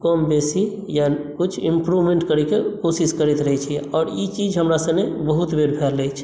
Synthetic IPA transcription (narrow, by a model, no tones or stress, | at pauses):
kəmbesi | jakut͡ʃʰĩmpɾuʋmẽɳʈkəɾikekosiskəɾɛt̪ɾəɦɛt͡ʃʰiɛɔːɾit͡ʃid͡ʒɦəmɾasəbnebəɦut̪beɾpʰɛɾlɛt͡ʃʰ